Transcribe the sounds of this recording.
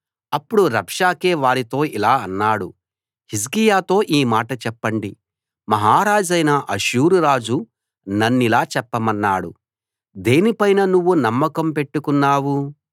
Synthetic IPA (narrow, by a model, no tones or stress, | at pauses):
ɐpːuɽuɾɐpʂaːkeːʋaːɾit̪o̞ːilaːɐnːaːɽu | his̬kijaːt̪o̞ːʔiːmaːʈɐt͡ʃɛpːɐɳɖi | mɐɦaːɾaːd͡ʒɐjnɐʔɐʃuːɾuɾaːd͡ʒu | nɐnːilaːt͡ʃɛpːɐmɐnːaːɽṵ | d̪e̞ːnipɐjnɐnuʋːunɐmːɐkɐmpe̞ʈːukunːaːwu